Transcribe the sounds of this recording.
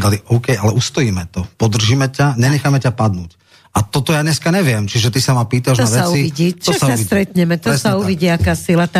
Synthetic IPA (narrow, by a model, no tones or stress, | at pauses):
d̪aliʔɔʊkɛjʔalɛʔust̪ɔjiːmɛt̪ɔpɔd̪r̩ʒimɛcaɲɛɲɛxamɛcapad̪nuːc | ʔat̪ɔt̪ɔjaːɲɛskaɲɛʋɪɛmt͡ʃiʒɛt̪isamapiːt̪aʒnaʋɛat͡suiiɟit͡ʃɔɔsasast̪ɾɛt̪ɲɛmɛt̪ɔɛsauʋiɟiːakaːsilat̪a